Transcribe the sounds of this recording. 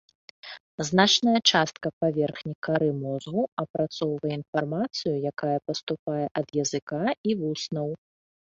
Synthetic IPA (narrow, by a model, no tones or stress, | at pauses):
znat͡ʂnɐjɐt͡ʂast̪̚kɐpavʲɛrxnʲikaɾɨmɔzɣuɐpɾat̪sɔwvɐjɛinfarmat̪sɨjujakajɐpɐst̪upajɛʔɐd̪jɐzɨkaivusnɐw